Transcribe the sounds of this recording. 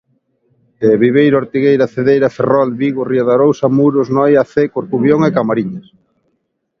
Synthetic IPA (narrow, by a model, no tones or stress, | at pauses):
eβiβejɾoɾt̪iɣejɾɐθeðejɾɐferɔlβiɣorioðaɾowsamuɾʊznɔjaθekoɾkuβjoŋekamaɾiɲas